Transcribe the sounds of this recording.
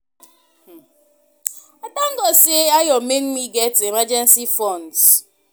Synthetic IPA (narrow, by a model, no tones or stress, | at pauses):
ɔtaŋ̩ɡɔseajɔmenmiɡɛtemad͡ʒɛnsifɔnd